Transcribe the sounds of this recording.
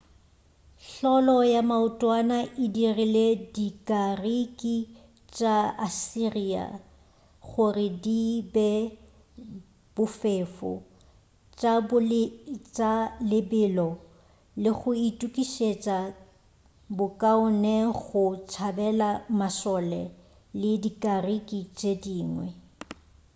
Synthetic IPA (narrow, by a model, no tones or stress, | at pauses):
ɬɔlɔjamaʊtʼwanaʔɪdiriledikʼarikʼi | t͡ʃʼaasiria̰ | ɣʊrɪdibɛ | b̥ʊfeːfɔ̰ | t͡ʃʼab | t͡ʃʼalɪbɪlɔ | lɪɣʊitʼukʼiʃet͡ʃʼa | bʊkʼaʊnɛɣʊt͡ʃʰabɛlamasɔlɛ | lɪdikʼarikʼit͡ʃʼediːŋwɛ̰